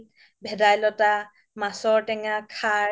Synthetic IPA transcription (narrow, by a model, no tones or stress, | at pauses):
bʱɛdajlɔta | masɔɹtɛŋakʰa